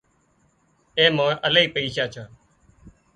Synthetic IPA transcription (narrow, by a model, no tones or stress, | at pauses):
eːmõːələiːpəiːʃaːt͡ʃʰaː